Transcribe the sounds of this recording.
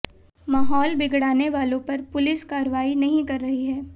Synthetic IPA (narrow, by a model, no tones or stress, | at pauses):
maːɦɔːlbɪɡɽaːneʋaːlõpɐɾpʊlɪskaːɾʋaːinɐɦĩkɐɾːɐɦiɦɛː